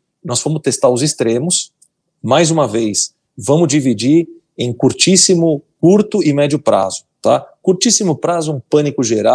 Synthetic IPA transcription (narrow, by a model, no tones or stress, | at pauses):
nɔsfõmʊst̪est̪aɾʊzɪst̪ɾẽmʊs | majzũmɐvejs | vɐ̃mʊzd͡ʒivid͡ʒiɾ | ẽj̃kuɾt͡ʃisimʊkuɾt̪ʊɪmɛd͡ʒʊpɾa̰zʊ̥t̪akuɾt͡ʃisimʊpɾazʊũpɐ̃nikʊʒeɾa